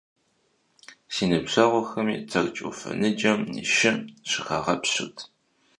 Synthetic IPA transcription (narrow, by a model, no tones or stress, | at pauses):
siːnɨbɕɐʁʷɔxɐmḭːt͡sʰɐrt͡ʃʼufɐ̰nɨd͡ʒɐmnḭʃɪmɕɨxɐʁɐpɕɨtʰ